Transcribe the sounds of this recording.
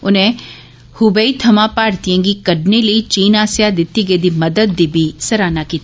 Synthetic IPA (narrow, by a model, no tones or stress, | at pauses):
ʊnẽ | hʊbəiːt̪ʰɐmãːpaːɽt̪ijãːŋɡiːkəɖneləiːt͡ʃiːnaːsjad̪ɪt̪ːiɡed̪iːməd̪əd̪ːiːbʱiːsəɾaːnakiːt̪a